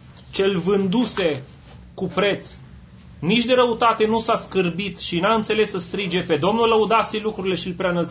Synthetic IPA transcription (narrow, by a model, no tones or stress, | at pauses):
t͡ʃe̞lʲvɨnd̪use̞ | kupɾe̞t̪s | nit͡ʃʲd̪e̞ɾəut̪at̪e̞nusaskɨrbit̪ʃinaɨnt̪se̞le̞sːəst̪ɾid͡ʒe̞pe̞d̪o̞mnuləud̪at̪silukɾuɾile̞ʃilpɾeanəlt̪